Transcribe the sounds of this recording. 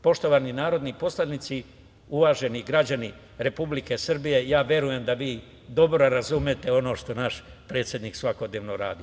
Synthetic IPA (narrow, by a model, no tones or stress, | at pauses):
po̞ʃt̪o̞ʋaninaːɾo̞d̪nipo̞slˠanit̪si | uʋaːʒe̞niɡɾad͡ʑani | ɾe̞publike̞srbije̞jaːʋje̞ɾuje̞md̪aʋiː | d̪o̞bɾoɾazumet̪e̞o̞no̞ːʃt̪o̞naʃpɾe̞ːt̪sʲje̞d̪niːksʋako̞d̪ne̞ːʋno̞ɾa̰ːd̪i